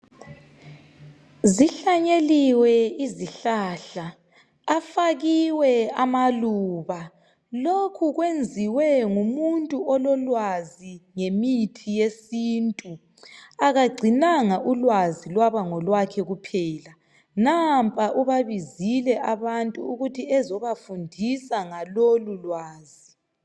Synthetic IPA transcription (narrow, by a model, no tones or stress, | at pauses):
ziɬaɲeliwɛiziɬaːɬaː | faɣiwɛamaluːβa | lokʰuɣwend͡zʱiwɛŋumuntʼuɔlɔlwaziŋemitʰijesiːntʼu | aɣaɡ͡ǀʱinaŋaʔulwazilwaβaŋɔlwakʰɛɣupʰɛːla | nampʼaʔuβaβizilɛʔaβantʼṵːɣutʰiɛzɔβafundʱisaŋalolulwaːzi